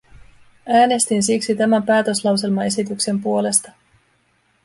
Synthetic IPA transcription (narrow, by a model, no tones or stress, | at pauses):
æːne̞st̪insiksit̪æmæmpæːt̪ø̞slɑwse̞lmɑe̞sit̪ykse̞mpuo̞le̞st̪ɑ